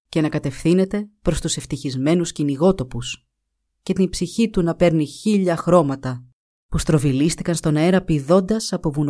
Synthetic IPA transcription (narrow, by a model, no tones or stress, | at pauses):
ce̞nɐkɐt̪e̞fθine̞t̪e̞pɾo̞st̪use̞ft̪içizme̞nusciniɣo̞t̪o̞pus | ce̞t̪inbsiçit̪unɐpe̞ɾniçiʎɐxɾo̞mɐt̪ɐ | pust̪ɾo̞vilist̪ikɐnst̪o̞nɐeɾɐpiðo̞nd̪ɐsɐpo̞vun